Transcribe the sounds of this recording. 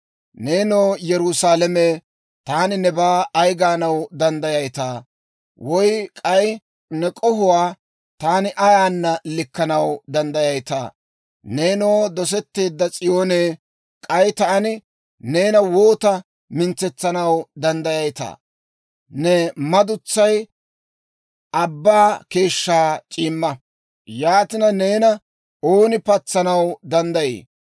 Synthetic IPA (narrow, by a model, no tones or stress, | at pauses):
neːnoːjɛɾʊsaːlɛme | t̪aːnɪnɛbaːjɡaːnɐwd̪ɐnd̪ɐjɐjt̪aː | wɔjkʼɐj | nɛkʼɔhʊwaː | t̪aːnɪʔɐjaːnːɐlɪkːɐnɐwd̪ɐnd̪ɐjɐjt̪a̰ | ne̞ːnoːd̪ɔs̬ɛt̪ːe̞ːd̪ːɐt͡sʼɪjo̞ːneː | kʼɐjt̪ɐɐnɪ | ne̞ːnɐwoːt̪ɐ | mɪnt͡sɛt͡sːɐnɐwd̪ɐnd̪ɐjɐjt̪a̰ː | nɛmɐd̪ʊt͡sːɐj | ʔɐbːaːke̞ːʃːaːt͡ʃʼiːmːɐ | jaːt̪ɪnɐne̞ːnɐ | oːnɪpɐt͡sːɐnɐwd̪ɐnd̪ɐjḛː